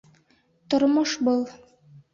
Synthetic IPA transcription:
t̪ŏɾmoʃbɤlˠ

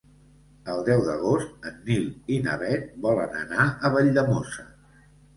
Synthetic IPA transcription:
əlˠd̪ɛwd̪əɣost̪̚ənːilinə̰βɛt̪̚bɔlə̰nə̰naəβəʎd̪əmosə

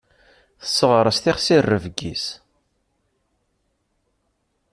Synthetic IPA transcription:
θə̥sːəʁɾˤəst̪iχsirːəvɡḭs

